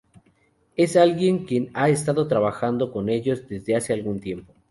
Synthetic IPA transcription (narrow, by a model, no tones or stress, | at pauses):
e̞salɣje̞ŋkje̞naest̪aðo̞t̪ɾaβaxand̪o̞ko̞ne̞ʝo̞zd̪e̞zðe̞ase̞alɣunt̪je̞mpo̞